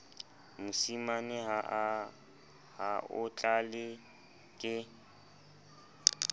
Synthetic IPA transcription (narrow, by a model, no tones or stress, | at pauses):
musimanɪɦa | haʔʊt͡ɬʼalɪ | kʼɪ